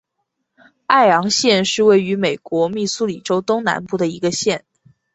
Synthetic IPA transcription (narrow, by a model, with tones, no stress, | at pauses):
a˥˩ɪjɑ˧˥ŋɕjɛ˥˧nʂɻ̩˥˧we˥˩ɪy˧˥me˨˩ɪkwɔ˧˥mi˥˩su˥li˨˩ʈ͡ʂo˥ʊt̪ʊ˥ŋna̰˧˥npu˥˩d̪ə˩i˧˥ɡə˧ɕjɛ˥˩n